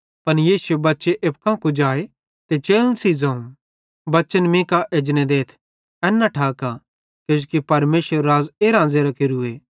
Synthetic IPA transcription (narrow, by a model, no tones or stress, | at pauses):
pɐnjiːsʊebɐtːʃeʔep̚kãkud͡ʒaːe | t̪et͡ʃeːlənsizãːũ | bɐt͡ʃənmĩːkaʔed͡ʒned̪eːt̪ʰ | ɛ̃ːnːãʈʰaːka | kod͡ʒokipɐɾmeːsəɾːaːzeɾãːnd͡zeɾakɪɾueː